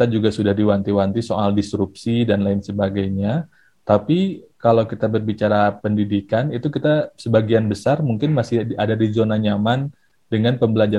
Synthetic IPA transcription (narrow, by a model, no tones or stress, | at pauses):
t̪ad͡ʒuɡasudahdiwant̪iwant̪isoʔaldisɾup̚sidanlaɪnsəbaɡajɲa | t̪apikalawkit̪abərbit͡ʃaɾapəndidikanit̪ukit̪asəbaɡianbəsarmuŋkɪnmasɪadadizonaɲaman | dəŋanpəmbəlad͡ʒa